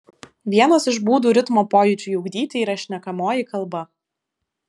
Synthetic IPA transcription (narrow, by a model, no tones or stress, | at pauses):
ʋʲiɛnɐsɪʒbuːd̪uːɾʲɪt̪moːpoːjuˑt͡ʃʲuːjʊɡd̪ʲiːt̪ʲɪiːɾɐʃʲnʲɛkɐmoːjɪkɐlˠbɐ